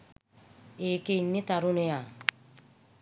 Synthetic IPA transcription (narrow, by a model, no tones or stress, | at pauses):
ekeinːit̪aɾunea